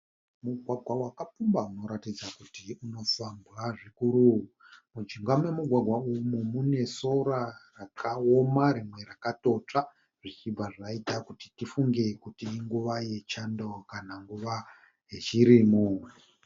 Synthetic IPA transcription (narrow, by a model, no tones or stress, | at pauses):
muɡʱwaɡʱwawakapumbauno̞ɾatid͡zakutiuno̞sambraʐikuɾuɦu | mud͡ʒiŋɡwamwe̞muɡʱwaɡʱwaumumune̞so̞ɾarakʰaomaɾimwe̞ɾakato̞t͡ʂa | ʐ̥it͡ʃib͡vʱaʐaitakutitifuŋɡe̞kutiːŋɡuʋaje̞t͡ʃando̞kanaŋɡuʋa | jet͡ʃiɾimuːmwe